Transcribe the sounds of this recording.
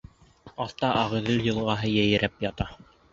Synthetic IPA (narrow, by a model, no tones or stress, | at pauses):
ɑθt̪ɑʔɑʁɘ̆ðɘljɤ̆lˠʁɑɦɤjæjɘ̆ɾæpjɑt̪ɑ